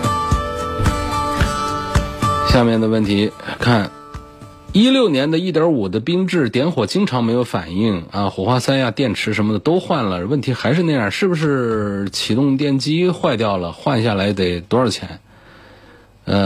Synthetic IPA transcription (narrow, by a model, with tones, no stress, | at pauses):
ɕja˥˧mjɛ˥˩nd̪ə˩wə˥˩nt̪ʰi˧˥kʰa˥˩n | i˥ljo˥˩ʊnjɛ˧˥nd̪ə˧i˥˩t̪jɑ˞˧˥u˨˩d̪ə˦pi˥ŋʈ͡ʂɻ̩˥˩t̪jɛ˧˥nxwɔ˨˩t͡ɕi˥ŋʈ͡ʂʰɑ˧˥ŋme˧˥ɪjo˧˥ʊfa̰˨˩ni˥˩ŋɐ˧xwɔ˨˩xwa˥sa˥nja˥˧t̪jɛ˥˩nʈ͡ʂʰɻ̩˧˥ʂə˧˥nmə˧d̪ə˩t̪o˥ʊxwa˥˩nlə˩wə˥˩nt̪ʰi˧˥xa˧˥ɪʂɻ̩˥˧n˥˩ɪja˞˥˧˩ʂɻ̩˥˩bu˩ʂ̬ɻ̩˥˩t͡ɕʰi˨˩t̪ʊ˥˧ŋt̪̬jɛ˥˩nt͡ɕi˥xwa˥˧ɪt̪̬jɑ˥˩ʊlə˩xwa˥˧nɕja˥˩la˧˥ɪk̪e˨˩ɪt̪wɔ˧˥ə˞˧˩t͡ɕʰjɛ̰˧˥n | ə˧